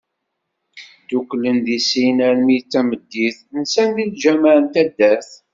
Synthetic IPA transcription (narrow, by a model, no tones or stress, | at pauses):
d̪uklənðisinæɾmit͡sːæməd̪ːiθnsænðilʒæmaʕənt̪æd̪ːæθ